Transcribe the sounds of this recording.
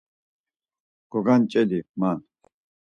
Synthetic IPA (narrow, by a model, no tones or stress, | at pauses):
ɡ̥ɔɡant͡ʃʼɛliman